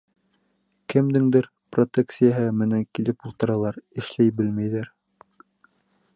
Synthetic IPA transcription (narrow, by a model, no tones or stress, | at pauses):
kɘ̆md̪ɘŋd̪ɘɾ | prot̪eksijaɦɤmɘ̆næŋkilɘpulˠt̪ɤ̆ɾɑlˠɑɾɘ̆ʃlæjbɘlmæjðæɾ